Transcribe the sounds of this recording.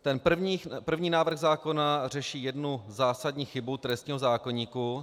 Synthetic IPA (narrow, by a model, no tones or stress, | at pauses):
t̪ɛnpr̩vɲipr̩vɲiːnaːvr̩ɣzaːko̞nar̝ɛʃiːjɛdnuzaːsadɲiːxɪbut̪ɾɛst̪ɲiːɦo̞zaːko̞ɲiːku